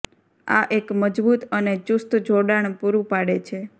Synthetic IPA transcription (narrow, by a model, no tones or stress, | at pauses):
a̰ʔekməd͡ʒbut̪ənet͡ʃust̪d͡ʒoɽaɳ̃puɾũpaɽet͡ʃʰe